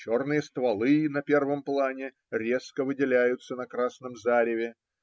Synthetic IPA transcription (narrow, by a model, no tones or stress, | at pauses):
t͡ɕo̞rnɨjəst̪vɐlˠɨnɐpʲe̞rvəmplˠanʲɪ | ɾʲe̞skəvɨdʲɪlʲæjʊt̪sənɐkɾasnəmzaɾʲɪvʲɪ